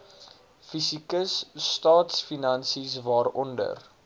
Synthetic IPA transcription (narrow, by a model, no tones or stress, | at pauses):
fisikəsːtɑːtsfinɐnsisvɑːrɔndə̰r